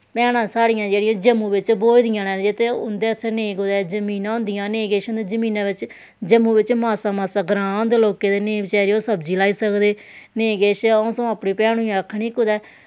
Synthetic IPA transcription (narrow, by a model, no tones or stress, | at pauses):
pɛːɽ̃ãːsaːɽɪjãːd͡ʒeːɽɪjãːd͡ʒəmːũːʋɪt͡ʃboːld̪ɪjãːnɛ̃ːd͡ʒɪt̪eʊnd̪eːtːʃʰnẽːkʊd̪ɛːd͡ʒəmiːnãːʊ̃ːnd̪ɪjãːneːkeːʃʊnd̪eːd͡ʒəmiːnãːʋɪt͡ʃ | d͡ʒəmːũːʋɪt͡ʃmaːsaːmaːsaːɡɾãːnd̪eloːkeːd̪eːneːbt͡ʃɛːɾioːsəbd͡ʒiːlaːiːsəkd̪eːnẽːkeːʃoːsõːaːpɽĩːpɛːɽ̃ũːjãːkʰniːkʊd̪ɛː